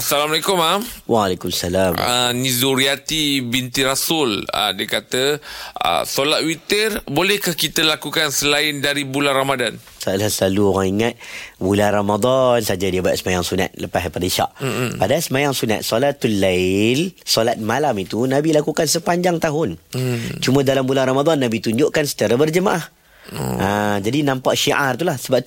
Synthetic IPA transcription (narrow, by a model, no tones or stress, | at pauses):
asalamalaikʊmawalekumasalamənĩzuɾiat̪ibint̪iɾasʊlə̰diəkat̪əə̰solat̪̚wit̪ərbolɛhkahkit̪əlakukansəlaɪndaɾibulanramadan | salahsəlaluoɣaŋiŋat̪̚bulanramad̪ɔnsad͡ʒadiəbat̪̚səmajaŋsuna̰t̪̚ləpaspadaiʃa̰ʔpadasəmajaŋsuna̰t̪̚solat̪ulːalsolat̪̚malamit̪unabilakukansəpaɲd͡ʒaŋt̪aɦʊnt͡ʃumãdalambulanramad̪ɔnːabit̪uɲd͡ʒʊʔkansə̥t͡ʃaɾabərd͡ʒəmaʔah | ad͡ʒadinãmpaʔʃiʔart̪ulahsəbap̚